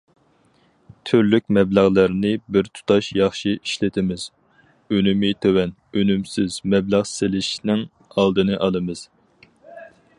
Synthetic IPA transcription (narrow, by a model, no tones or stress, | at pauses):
t̪ʰøɾlykʲmɛblæʁlˠæɾnɪbɪɾt̪ʰu̥t̪ʰɑʃjɑχʃiiʃlɪt̪ʰɪmɪz̥ | ønymɪt̪ʰøwɛn | ønymsɪzmɛblæʁsɪlɪʃnɪŋ | ɑlˠd̪ɨnɨʔɑlˠɨmɨz̥